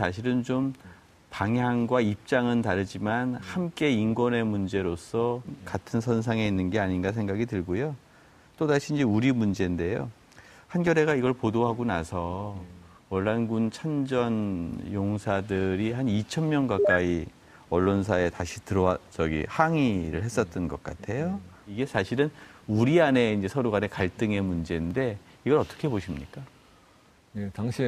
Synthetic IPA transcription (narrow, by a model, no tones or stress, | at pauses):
sʰaɕ̬ʰiɾɯnt͡ɕom | paŋjaŋɡwaip̚t͡ɕ͈aŋɯntaɾɯd͡ʑimanhamk͈e̞inɡwʌne̞mund͡ʑe̞ɾos͈ʰʌkatʰɯnsʰʌns̬ʰaŋe̞inːɯnɡe̞aɲinɡas̬ʰe̞ŋɡaɡitɯɭɡojo | t͈odaɕʰind͡ʑiuɾimund͡ʑe̞nde̞jo̰ | hanɡjʌɾe̞ɡaiɡʌɭpodoɦaɡona̰sʰʌ | wʌɭːanɡunt͡ɕʰand͡ʑʌnjoŋsʰadɯɾiɦanit͡ɕʰʌnmjʌnɡak͈ai | ʌɭːons̬ʰae̞taɕʰitɯɾʌwat͡ɕʌɡḭhaŋiɾɯ̰ɭɦhe̞s͈ʌt̚t͈ʌnɡʌk͈̚a̰tʰe̞jo | iɡe̞sʰaɕʰiɾɯnuɾiane̞ind͡ʑe̞sʰʌɾuɡane̞kaɭt͈ɯŋe̞mund͡ʑe̞nde̞ | iɡʌɾʌt͈ʌ̥kʰe̞boɕʰimɲik͈a | jetaŋɕʰi